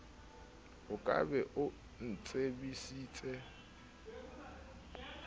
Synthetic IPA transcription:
ʊkʼa̰bɛʔʊ | n̩t͡sʼebisiːt͡sʼɛ

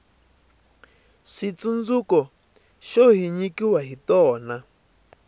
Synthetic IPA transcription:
ʂit͡sund͡zukɔ | ʃɔɦiɲĩkiwaɦit̪ɔːnã

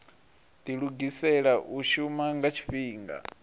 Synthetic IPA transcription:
t̪iɺuɡisɛɺaʔuʃumaŋɡat͡ʃʰi̥ɸiːŋɡa̰

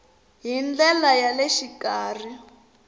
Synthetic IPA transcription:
ɦind͡ɮɛlajaleʃikaːr̤i

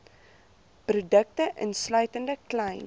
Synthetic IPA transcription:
prudək̚təʔə̰nslœɥtəndəklɛjn

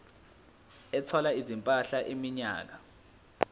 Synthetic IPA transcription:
ɛtʰɔlaizimpʼaɬaʔemiɲa̰ːk̬a

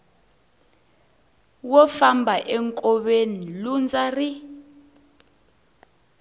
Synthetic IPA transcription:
wɔfambʱaʔɛŋkʼɔɓenilund͡zari

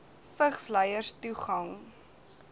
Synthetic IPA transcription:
fəχsləjərstuχɐŋ

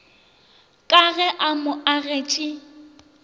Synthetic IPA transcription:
kʼaɣɛʔamʊʔaɣet͡ʃʼɪ

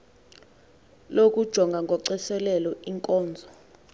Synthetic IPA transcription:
lok̬ʼud̥ʒ̥ʱɔŋɡʱaŋɡʱɔǀɛsɛlɛlɔiŋkʼɔːnd͡zʱɔ

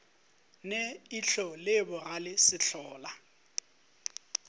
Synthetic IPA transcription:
neiɬʰɔlɪbʊɣalɪsɪɬʰɔːla

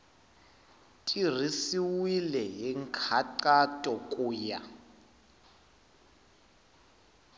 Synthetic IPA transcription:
tʼir̤isiwilɛɦiŋkʰaǃatʼɔkʼuːja

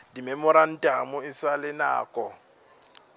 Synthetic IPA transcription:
dimɛmʊɾan̩tʼamʊɪsalɪna̰ːkʼɔ

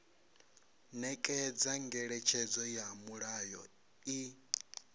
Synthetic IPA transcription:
nɛkʼɛd͡zaŋɡɛɺɛt͡ʃʰɛd͡zɔjamuɺajɔ̰ | i

